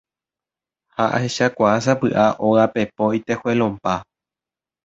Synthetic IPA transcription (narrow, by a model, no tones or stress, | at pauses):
haʔa̰he̞ʃakʷaas̬apɨʔaʔoɣape̞poit̪ehwelõmpa